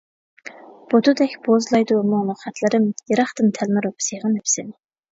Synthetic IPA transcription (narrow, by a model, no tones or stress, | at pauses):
b̥ot̪ʰud̪ɛkʲb̥ozlˠɑjd̪umʊŋnʊχæt̪ʰlˠɨɾɨmjeɾɑχt̪ɨnt̪ʰælmɪɾopʰsejʁɑnepsɪn